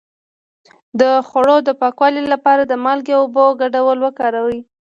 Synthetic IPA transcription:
d̪əxoɽod̪əpɑkwɑlilapɑɾad̪əmɑlɡeoboɡaɖawəlwəkɑɾawi

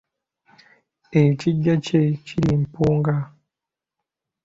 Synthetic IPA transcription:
ejiciɟaceciɾimpuːŋɡa

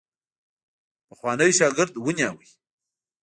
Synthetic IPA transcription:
pəxwɑnəjʃɑɡɪɾd̪wənjɑwij

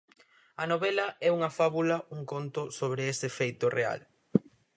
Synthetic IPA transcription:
ɐnoβɛlɐɛuŋɐfaβulɐuŋkont̪ʊsoβ̞ɾɪesefejt̪ʊrea̰l

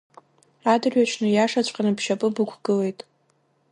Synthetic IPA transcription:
adɨrɥat͡ʃʰnɨjaʂat͡ɕʷʼqʲʼanɨpʰʃapʼɨbɨkʷʰɡɨle̞jtʼ

